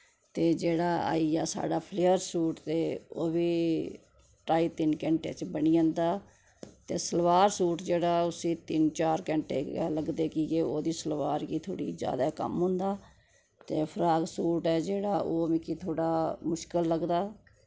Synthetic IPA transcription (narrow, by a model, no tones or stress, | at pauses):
t̪eːd͡ʒeːɽaːa̰ːiːjaːsa̰ːɖaːpʰleːəɾsuːʈt̪eːo̰ːbiː | ʈɾaːiːt̪ɪnkɛ̃ːɳʈḛːt͡ʃbəɳiːãːnd̪aː | t̪eːsəlʋaːɾsuːʈd͡ʒeːɽaːʊsĩːt̪ɪnt͡ʃaːɾkɛ̃ːɳʈḛːləɡd̪eːkɪjeoːd̪iːsəlʋaːɾkiːt̪ʰo̰ːɽḭːd͡ʒja̰ːd̪aːkə̰mɦʊ̃ːnd̪aː | t̪eːpʰəɾaːɡsuːʈɛːd͡ʒeːɽaːʔoːmikit̪ʰoːɽaːmʊʃkəlːəɡd̪aː